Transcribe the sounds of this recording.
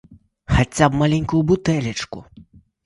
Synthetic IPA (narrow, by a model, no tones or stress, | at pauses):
xat͡sʲapbmalʲɛnʲkujubut̪ɛlʲɐt͡ʂkṵ